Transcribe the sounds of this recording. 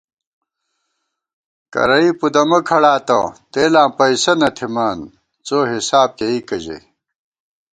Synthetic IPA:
kɐ̰ɾɐipud̪ɐmɐkʰɐɽaːt̪ɐ̰t̪eːlãːpɐisɐnɐt̪ʰimaːn | t͡soːɦisaːb̚keikɐʑḛ

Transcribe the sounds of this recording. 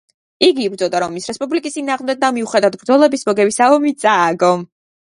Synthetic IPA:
iɡiːbɾd̪zɔd̪aɾɔmːisɾɛspʼublikʼist̪ʼinaːʁmd̪ɛk̚d̪amiuχɛd̪avd̪̚bɾd̪zɔlɛbismɔɡɛbisaɔmit̪sʼaːɡɔm

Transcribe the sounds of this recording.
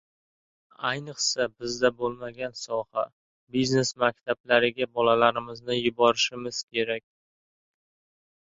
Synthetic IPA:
ajnɨqsabɪzd̪abolˠmaɡʲansɒha | bizne̞smakʲt̪ʰablaɾɪɡʲabɒlalaɾɪmɪznɪjʊbɒɾɪʃɪmɪz̥kʲʰe̞ɾakʲ

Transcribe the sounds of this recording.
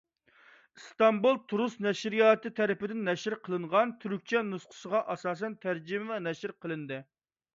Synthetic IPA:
st̪ɑmbulˠt̪ʰuɾusnɛʃɾijɑːt̪ɨt̪ʰɛɾɪpɪd̪ɪnːɛʃɪɾqʰəlˠɨɴʁɑnt̪ʰyɾyk̚ʲt͡ʃʰɛnusqʰə̥ʃəʁɑʔɑsɑːs̬ɛnt̪ʰæɾd͡ʒɪmɪvɛnɛʃɪɾqʰəlˠɨnd̪ɨ

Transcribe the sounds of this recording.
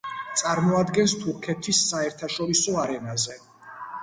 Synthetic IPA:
t̪sʼaɾmɔad̪ɡɛnst̪ʰuɾkʰɛt̪ʰisːaɛɾt̪ʰaʃɔɾisɔaɾɛnazɛ

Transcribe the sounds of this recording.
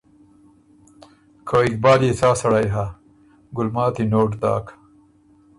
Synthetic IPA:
kʰoik̚baːɾjesaːsɐɽajɦa | ɡʊlmaːt̪inoːʈd̪a̰ːk

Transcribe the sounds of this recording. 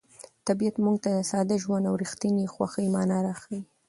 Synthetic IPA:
t̪abiat̪muŋɡ̚t̪ad̪əsɑd̪aʒwand̪awɾixt̪inixwaxəjmɑnaɾaxəj

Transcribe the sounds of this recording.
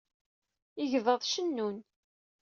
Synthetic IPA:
ɪʝvəðˤʃənːun

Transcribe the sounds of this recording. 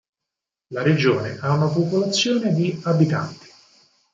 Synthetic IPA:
laɾed͡ʒoːneʔaunapopolat̪sːjoːned̪iabit̪ant̪i̥

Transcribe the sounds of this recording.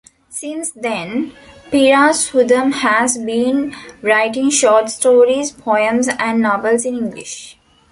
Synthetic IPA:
sɪ̃nsd̪ɛ̃npiɾaːshud̪ə̃mhæzbĩːnɾaɪʈɪ̃ŋʃɔːʈsʈoːɾizpʰɔɪə̃mzæ̃ɳɖnɔʋəlsɪ̃nĩŋɡlɪ̰ʃ

